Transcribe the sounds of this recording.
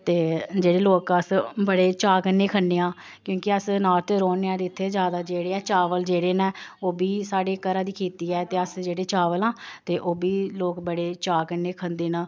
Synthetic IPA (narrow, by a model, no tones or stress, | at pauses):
t̪eːd͡ʒeːɽeːloːkəsbəɽeːt͡ʃaːkənːeːkʰənːeːãː | kjõːkɪəsnaːt̪eɾoːneːãːd̪ɪt̪ʰːeːd͡ʒjaːd̪aːd͡ʒeːɽeːɛːt͡ʃaːʋəld͡ʒeːɽeːnɛːoːbiːsaːɽeːkəɾaːd̪iːkʰiːt̪iːɛːt̪eːəsd͡ʒeːɽeːt͡ʃaːʋəlãːt̪eːʔoːbiːloːkbəɽeːt͡ʃaːkəneːkʰənd̪eːnaː